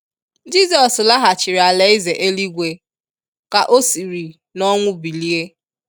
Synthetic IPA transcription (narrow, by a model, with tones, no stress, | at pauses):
d͡ʒi˦sɔ˨sla˦ɦa˨t͡ʃɪ˨ɾi˨a˨le˨˦ɪ˦ze˨ʔe˦li˦ɡʷe˨ | ka˨ʔo˦si˨ɾi˨ | nɔ˦ŋʷʊ˦bi˨li˦e˦